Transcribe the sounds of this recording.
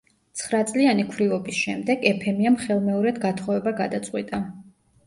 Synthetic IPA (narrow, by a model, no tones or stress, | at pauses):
t̪sʰχɾat̪sʼlianikʰwɾivɔbisʃɛmd̪ɛɡɛpʰɛmiamχɛlˠmɛɔɾɛd̪ɡat̪ʰχɔvɛbaɡad̪at̪sʼqʼwit̪ʼa